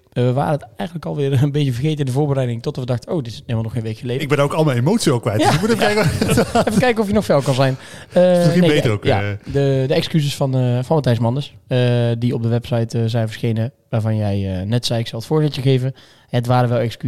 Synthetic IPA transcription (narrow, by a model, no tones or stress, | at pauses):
ʋəʋa̰ːɾəətɛjxəndləkɑlˠʋɪːrənbejtəvərɣejtəɪndəvoːɹbərɛjdɪŋtɔtdɑtʋədɑxtəowdɪ̥selmalˠnɔxejnʋejkxəlejɪɡbɛndaːokɑlˠmɛnemowtsiɛlˠkʋɛjtjamutɛfəɛjkɛfəkɛjkənɔfjənɔxfɛlˠkɑnzɛjnəineeəokja̰dədəɛkskyzəsfɑnfɑnmətɛjsmɑnəsədiɔp̚dəʋɛpsɑjtəzɛjnvəɹsxejnə | ʋaːɹvɑnjɛjənɛtsɛjɪksɑlˠətfʊːɹzɪtəɣejvə | ətʋaːɾəʋɛlˠɛksky